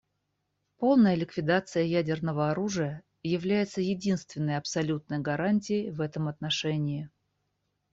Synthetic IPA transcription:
po̞lˠnəjəlʲɪkvʲɪd̪at̪sɨjəjædʲɪrnəvəɐɾuʐɨjə | jɪvlʲæjɪt̪səjɪdʲinst̪vʲɪnːəjɐpsɐlʲut̪̚nəjɡɐɾanʲt̬ʲɪjəjvɛt̪əmɐt̪nɐʂɛnʲɪɪ

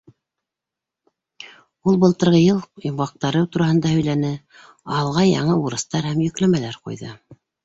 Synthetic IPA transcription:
ulˠbɤ̆lˠt̪ɤ̆ɾʁɤjɤlˠimʁɑq̚t̪ɑɾɤwt̪uɾɑhɤ̆nd̪ɑhɵ̆jlænɘ | ɑlˠʁɑjɑ̰ɴɤuɾɤ̆st̪ɑɾhæmjɵ̆klæmælæɾqṵjðɤ̰

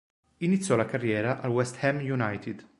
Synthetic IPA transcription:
init̪sjɔlakarːjɛːɾaʔalwɛst̪hɛmjunajt̪id̪

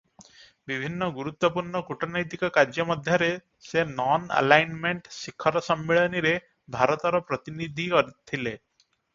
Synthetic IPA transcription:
bibʱinːɔɡuɾut̪wɔpuɾɳɔkuʈɔnajt̪ikɔkaɾd͡ʒɔmɔd̪ʱjɔɾe | senɔna̰lajnmeɳʈsikʰːɔɾɔsɔmːiɭɔniɾe | bʱaɾɔt̪ɔɾɔpɾɔt̪inid̪ʱikɔɾit̪ʰile

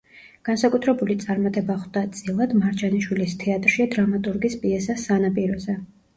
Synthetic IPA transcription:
ɡ̥ansakʼut̪ʰɾɛbulit̪sʼaɾmat̪ʼɛbaχd̪at̪sʼilˠad̪maɾd͡ʒaniʃwilist̪ʰɛat̪ʼɾʃiad̪ɾamat̪ʼuɾɡispʼiɛsasanapʼiɾɔzɛ

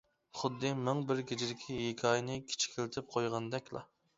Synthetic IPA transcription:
χʊd̪ːɨmɪŋbɪɾɡʲed͡ʒid̪ɪkʲʰijekʲʰɑjnɪkʲʰi̥t͡ʃʰi̥kʲʰelɪt̪ʰɪp̚qʰojʁɑnd̪ɛkʲlˠɑ̰

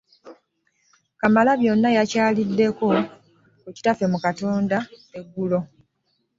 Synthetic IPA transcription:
kamalaβjo̞nːajacaːlidːe̞ko̞ | eci̥tafe̞mukatoːndaeɡːulo̞

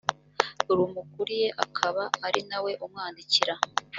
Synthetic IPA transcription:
uɾuːmukuɾije̞ʔa̰kʰaβaːɾinawe̞ʔumŋaːndiciɾa

